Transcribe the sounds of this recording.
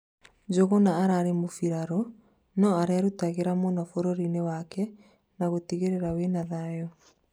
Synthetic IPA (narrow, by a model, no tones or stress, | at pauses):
d͡ʒoɣonaːɾaɾemofiɾaɾɔ | nɔaɾeaɾutaɣeɾamonafoɾoɾinewakɛ | naɣotiɣeɾeɾawenaðajɔ